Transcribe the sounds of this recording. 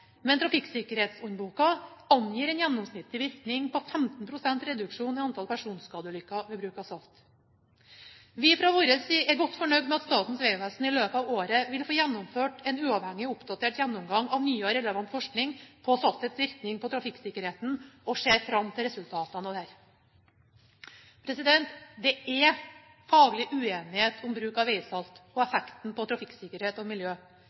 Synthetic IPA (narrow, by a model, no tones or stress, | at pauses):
mɛnt̪ʰɾɑfɪksɪkəɾheːt̪sʉɲbuːkɑɑnjiːɾɛnjɛnːɔmsnɪt̪ːɪʋɪɾknɪŋpʰɔfɛmt̪n̩pʰɾʊsɛnt̪ɾɛd̪ʉkʂuːnɪɑnt̪ʰɑlpʰæʂuːnskɑːd̪əlʏkːɑʋɛːbɾʉːkɑsɑft̪ | ʋɪfɾɑʋɔɾəsɪɛɾɡɔt̪ːfɔɳœɡd̪mɛɑt̪st̪ɑːt̪n̩sʋeːʋæsn̩ɪløːpəɑːʋoːɾəʋɪlfoːjɛnːɔmføːʈɛnʉːɑʋhɛŋːɪʊpd̪ɑt̪ʰeːʈjɛnːɔmɡɑŋːɑʋnyːəɾɛləʋɑnt̪fɔʂknɪŋpʰɔsɑlt̪ɛt̪sʋɪɾknɪŋpʰɔt̪ʰɾɑfɪkːsɪkːəɾheːt̪n̩ɔʂeːɾfɾɑmːt̪ʰɪlɾɛsʉlt̪ʰɑːt̪ɑnɔd̪hæːɾ | pʰɾɛsɪd̪ɛnt̪d̪ɛɛ | fɑːɡɭɪʔʉeːnɪheːt̪ʰʊmbɾʉːkɑʋeɪsɑlt̪ɔɛfɛkt̪n̩pʰɔt̪ʰɾɑfɪkːsɪkəɾheːt̪ɔmɪljøː